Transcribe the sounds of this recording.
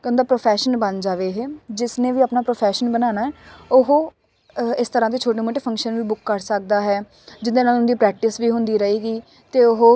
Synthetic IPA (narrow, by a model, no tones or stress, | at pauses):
ʊnd̪aːpɾoːpʰɛːʃənbənd͡ʒaːʋeːɦɛːd͡ʒɪsnẽːʋiːaːpnaːpɾoːpʰɛːʃənbənaːnaːɦɛːʊɦoː | ɪst̪əɾãːt̪̬eːt͡ʃʰoːʈeːmoːʈeːpʰə̃ŋkʃənʋiːbʊkːəɾsək̚d̪aːɦɛː | d͡ʒɪnd̪eːnaːlʊnd̪iːpɾɛːk̚ʈɪsʋiːɦʊnd̪iːɾəeːɡiː | t̪eːʊɦoː